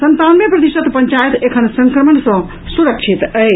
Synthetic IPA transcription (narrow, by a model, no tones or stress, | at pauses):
sənt̪anmepɾət̪iʃət̪pəɲt͡ʃajət̪ekʰənsə̃ŋkɾəmənsɔ̃ | suɾəkʃʰit̪əj